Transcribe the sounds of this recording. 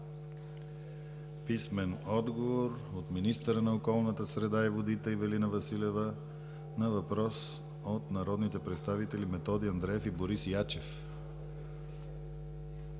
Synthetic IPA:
pismɛnɔd̪ɡovoɾ | ot̪minist̪əɾənɐokɔlˠnət̪əsɾɛd̪aivod̪it̪əivɛlinəvɐsilɛvə | nɐvɐpɾɔs | ot̪nɐɾɔd̪nit̪ɛpɾɛt̪st̪avit̪ɛlimɛt̪ɔd̪iɐnd̪ɾɛɛfiboɾisjat͡ʃɛf

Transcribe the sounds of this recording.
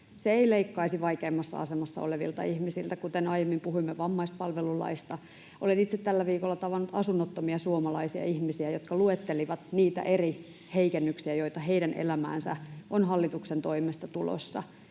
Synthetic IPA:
seeileikːɑisiʋɑikeːmːɑsːɑ̰ɑ̰semɑsːɑ̰o̰leʋḭlt̪ɑ̰ihmisilt̪ækut̪enɑijemːimpuhuimːeʋɑmːɑispɑlʋelulɑ̰ist̪ɑ | ʔolenit̪set̪t̪ælːæʋiːkolːɑt̪ɑʋɑnːut̪ɑsunːot̪ːomiɑsuomɑlɑisiɑ̰ihmisiæjot̪kɑluet̪ːeliʋɑt̪niːt̪æ̰ʔeri | heikenːyksiæjoit̪ɑheiɾænḛlæmæ̰ːnsæ̰ʔonhɑlːit̪uksent̪oimest̪ɑt̪ulo̰sːɑ̰

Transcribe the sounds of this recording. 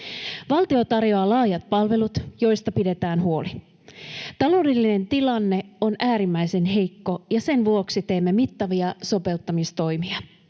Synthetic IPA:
ʋɑlt̪io̞t̪ɑrjo̞ɑːlɑːjɑt̪̚pɑlʋe̞lut̪jo̞jst̪ɑpide̞t̪æːnɦuo̞li | t̪ɑlo̞ːdelːine̞nt̪ilɑnːe̞o̞nʔæːɾimːæjse̞nɦe̞jkːo̞jɑse̞nʋuo̞ksit̪e̞ːmːe̞mit̪ːɑʋiɑso̞pe̞lt̪ːɑmist̪o̞jmiɑ

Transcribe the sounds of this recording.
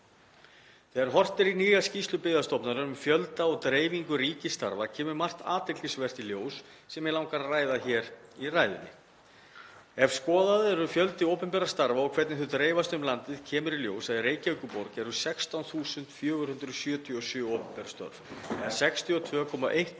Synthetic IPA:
θɛːɣɛɾ̥ɦɔr̥t̪ɪɾiniːjascist̪lʏpɪːðast̪ɔpnaɾʏʏmfjœlt̪aɔɣt̪ɾeːjviŋkʏɾiːcɪst̪a̰ɾvacʰɛːmʏɾmar̥t̪a̰ːt̪ɪk̪lɪsvɛr̥t̪iljoːws | sɛmjɛlaːwŋkaɾaraːjðaçɛːɾiraːjðʏ̰nːɪ̰ | ɛvskɔːðaðʏɛɾʏfjœlt̪ɪoːwpɛmpɛɾast̪aɾvaɔɣkʰvɛɾt̪nɪθut̪ɾeːjvast̪ʏmlant̪ɪðcʰɛːmʏɾiljo̰ːwsaðireːjcaʏkʏpoɾcɛɾʏsɛkst̪awnθuːsʏnt̪fjœːɣʏ̥hʏnt̪ɾʏðsjœːt̪ʰiɔsjʏːoːwpɛmpɛɾast̪œ̰ɾvɛːɣaɾ̥sɛkst̪ʰiɔt̪ʰvœːkʰɔma̰ʔejht̪

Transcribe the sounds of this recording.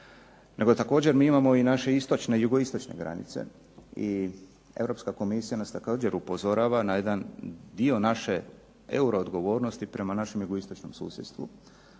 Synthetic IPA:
nʔe̞ɡo̞t̪ako̞ːd͡ʑe̞ɾmiːimamo̞inaʃe̞ist̪o̞t͡ʃne̞juɡo̞ist̪o̞t͡ʃne̞̰ɡɾa̰nḭt̪se̞̰ | i | e̞̰vɾo̞pskako̞misijanast̪ako̞ːd͡ʒe̞ɾupozo̞ɾaʋanajed̪and̪io̞naʃe̞ | euɾo̞ːd̪ɡo̞ʋo̞ːɾno̞st̪ipɾe̞manaʃe̞mjuɡoist̪ot͡ʃno̞msṵːsjet̪st̪ʋṵ

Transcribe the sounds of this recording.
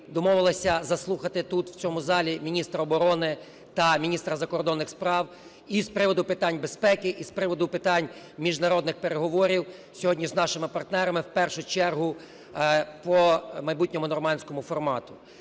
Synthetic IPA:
d̪ɔmɔʋɪlˠɐsʲɐzɐslˠuxɐt̪ɪt̪ut̪w̥t͡sʲɔmʊzɑlʲimʲinʲist̪ɾɐɔbɔɾɔnɪ | t̪ɐmʲinʲist̪ɾɐzɐkɔrd̪ɔnːɪxspɾɑw | ispɾɪʋɔd̪ʊpɪt̪ɑnʲbespɛkɪʔispɾɪʋɔd̪ʊpɪt̪ɑnʲ | mʲiʒnɐɾɔd̪nɪxpeɾeɦɔʋɔɾʲiw | sʲɔɦɔdʲnʲiznɑʃɪmɪpɐrt̪nɛɾɐmɪwpɛrʃʊt͡ʃɛrɦʊ | pɔmɐjbutʲnʲɔmʊnɔrmɑnʲsʲkɔmʊfɔrmɑt̪ʊ

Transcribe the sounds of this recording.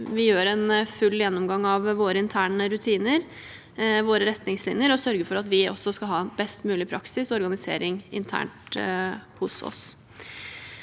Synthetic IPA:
ʋɪjøːɾɛnfʉlːjɛnːɔmɡɑŋːɑʋʋoːɾəɪnt̪ʰæːɳəɾʉt̪ʰiːnəɾ | ʋoːɾəɾɛt̪nɪŋslɪnjəɾɔsœɾɡəfɔɾɑt̪ʋɪɔ̰sːɔskɑɦɑːbɛst̪mʉːlɪpʰɾɑ̰ksɪsɔɔɾɡɑnɪsḛːɾɪŋɪ̰nt̪ʰæ̰ːɳʈ | hʊsɔ̰s

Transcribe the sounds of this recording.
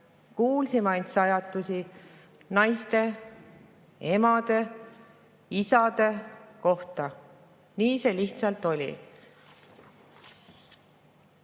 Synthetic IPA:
kuːlsimɑjnt̪sɑjɑt̪ːˑusi | nɑjst̪e̞ | e̞mɑd̪̥e̞ | isɑd̪̥e̞ko̞ht̪ɑ | niːse̞liht̪sɑlt̪ˑo̞lʲḭ

